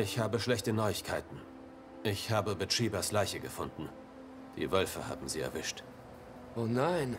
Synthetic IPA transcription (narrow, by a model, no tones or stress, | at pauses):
ɪçhaːbəʃlɛçtənɔʏɪçkʰaɪtn̩ | ʔɪçhaːbəbətʁ̥iːbaslaɪçəɡəfʊndn̩ | d̥ḭːvœlfə̰ha̰ːbm̩ziːɛ̰ɐvɪʃt | ʔoːnaɪn